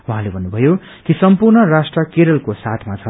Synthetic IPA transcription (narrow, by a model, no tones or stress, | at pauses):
wuɦãlebʱʌnːubʱʌjo | kisʌmpurnʌrasʈrʌkeɾʌlkosat̪ʰmat͡sʰʌ